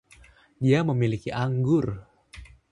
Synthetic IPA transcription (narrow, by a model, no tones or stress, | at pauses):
ɗiaməmilikiʔaŋɡur